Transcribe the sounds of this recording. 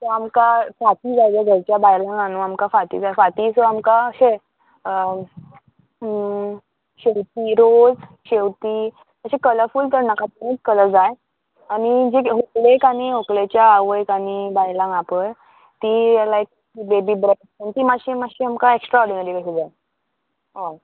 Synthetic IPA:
sɔamkafat̪iːd͡zajd͡zəɡʱəɾt͡ɕjabajlãŋɡanuamkafat̪ḭːd͡zajfat̪iːsɔamkaəɕe | ə | ɕewt̪iːɾod͡z | ɕewt̪iː | əɕekələfuːlt̪əɾnakat̪unet͡skələd͡zaj | añid͡ʑeɦoklekaɽ̃iɦoklet͡ɕjaːʋəjkaɽibajlãŋɡapəɾ | t̪ialaek̚ | bebiːbɾə | ənt̪iːmaɕimaɕiamkaeksʈɾɔɾɖinaɾikəɕed͡zaj | ʋa

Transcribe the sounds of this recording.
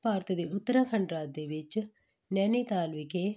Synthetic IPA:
paːɾt̪ɐd̪iut̪ːɐɾɐkʰɐɳɖɾaːd̪eʋit͡ʃ | nenit̪aːlʋike

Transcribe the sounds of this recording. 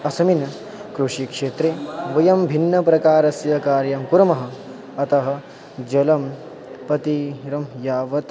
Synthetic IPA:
ɐsɐminɐ | kɾuʂikʂeːt̪ɾeːʋɐjɐmbʱinːɐpɾɐkaːɾɐsjɐkaːɾjɐmkuɾɐmɐɦɐ̆ | ɐt̪ɐɦɐ̆ | d͡ʒɐlɐm | pɐt̪iɾɐmjaːʋɐt̪

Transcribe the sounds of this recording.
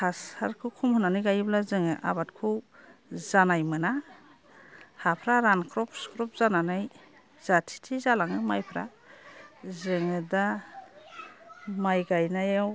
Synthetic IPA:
hʰashaɾkʰɯwkʰumhɯnanɯjɡajblazɯŋɯʔa̰bat̚kʰuwzanajmɯna | hapʰɾaɾankʰɾɔpskʰɾɔp̚zananaj | z̥atʰi̥tʰizalaŋɯmajpʰɾa̰ | zɯŋɯda | majɡajnajaw

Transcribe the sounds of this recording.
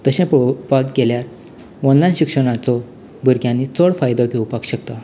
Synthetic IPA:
t̪əɕɛ̃pəpakɡeljaɾ | ɔnlajnɕikʂəɽ̃at͡sɔ | bəɾkjãnːit͡sɔɽfajd̪ɔkeupakɕəkt̪a

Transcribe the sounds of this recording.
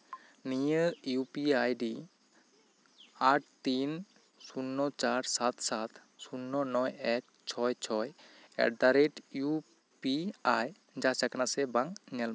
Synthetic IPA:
nijəɾjupiajɖi | aʈ̚t̪in | sunːɔt͡ʃaɾsat̪sat̪ʰ | sunːɔnɔjɛk̚ | t͡ʃʰɔjt͡ʃʰɔjɛ̰ʈ̚d̪aɾeʈju | piaj | d͡ʒasakanasɛbaŋŋɛlma

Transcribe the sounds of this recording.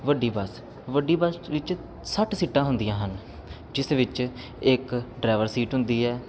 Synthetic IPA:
ʋəɖːiːbəs | ʋəɖiːbəsʋɪt͡ʃ | səʈsiːʈːãːɦʊ̃nd̪ijãːɦən | d͡ʒɪsʋɪt͡ʃ | ɪkɖɾaːʋəɾsiːʈɦʊ̃nd̪iːɛː

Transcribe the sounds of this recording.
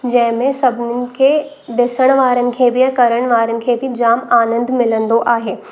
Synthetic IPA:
d͡ʑɐ̃ɦɪ̃mẽsɐbʱnɪɪ̆kʰeː | ɖɪsəɽ̃ʋaːɾənɪ̆kʰeːbɪɐ̃kɐɾəɽ̃ʋaːɾənɪ̆kʰeːbɪd͡ʑaːmaːnə̃nd̪mɪlə̃nd̪oʔaːɦeː

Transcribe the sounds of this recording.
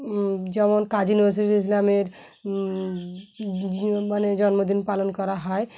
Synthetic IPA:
d͡ʑɛmonkad͡ʑiunibaɾs̬itiis̬lameɾ | maned͡ʑɔnmod̪inpalonkɔɾaɦɔe

